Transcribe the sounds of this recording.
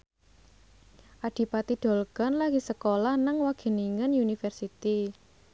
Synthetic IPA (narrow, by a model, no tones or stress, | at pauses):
ʔaɖ̪̥i̤pat̪iɖ̪̥ɔ̤lɡ̥ɔ̤nlaɡ̥i̤səkolahnəŋwaɡ̥e̤niŋənjunifɛrsit̪i